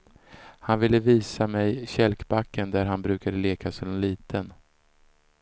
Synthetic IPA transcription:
hanvɪlːəviːsamɛjɕɛlkbakːənd̪æɾɦanbɾʉ̟ːkad̪əleːkʰasɔd̪ɛnliːt̪ʰən

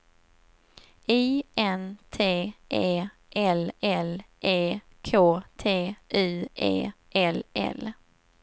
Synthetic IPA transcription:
iːʔɛnt̪ʰeːʔeː | ʔɛlɛlʔeː | kʰoːt̪ʰeːʔʉːʔḛːʔɛlʔɛ̰l

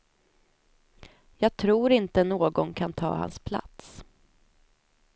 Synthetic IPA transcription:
jɑːɡ̚t̪ʰɾuːɾɪnt̪ənoːɡɔnkʰant̪ʰɑ̰ːha̰nspʰla̰t̪s

